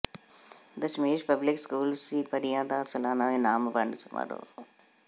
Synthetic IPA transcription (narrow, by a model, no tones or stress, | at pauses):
d̪əʃmeːʃpəblɪkskuːlsiːpəɾijãːd̪aːsəlaːnaːẽːnaːmʋəɳɖsmə̰ɾo̰ː